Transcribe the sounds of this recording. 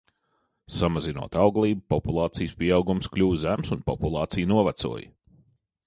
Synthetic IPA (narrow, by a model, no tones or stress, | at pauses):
samazinuɔt̪awɡlˠiːb̚pɔpulˠɑːt̪sijspʲiɛawɡumsklʲuːzæmsunpɔpulˠɑːt̪sijnuɔvat̪sṵɔj